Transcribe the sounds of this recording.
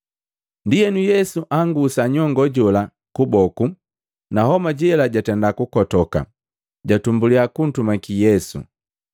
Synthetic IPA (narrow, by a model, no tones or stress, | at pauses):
ndijɛnujɛsuʔaŋɡusaɲɔŋɡɔɟɔla | kubɔku | nahɔmaɟɛɛlaɟatɛndakukɔtɔka̰ | ɟatumbuliakun̩tumakijɛsṵ